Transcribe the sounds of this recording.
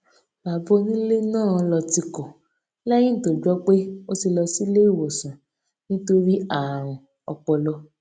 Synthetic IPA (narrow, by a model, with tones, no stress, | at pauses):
ba˨bɔ˦nĩ˦le˦nãː˦˨˧lɔ˧ti˧kɔ˨ | lɛ˦j̃ĩ˦˨to˨d͡ʒɔ˦k͡pe˦o˦ti˧lɔ˧si˦le˦i˦˨wo˨sã˨ | nĩ˦to˦ɾi˦a˦˨ɾ̃ɔ̃˨ | ɔ̰˧k͡pɔ˧lɔ˧˦